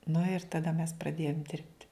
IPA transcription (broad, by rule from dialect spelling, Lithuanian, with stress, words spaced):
nʊ ɪr tɐˈdɐ mʲɛs prɐˈdʲeːjoːm ˈdʲɪrʲpʲtʲɪ